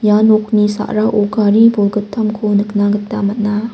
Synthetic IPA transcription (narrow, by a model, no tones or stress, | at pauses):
janok̚nisa̰ʔɾaʔoɡaɾibolɡɯtʰːamkʰonɯknaɡətːamɐt̚na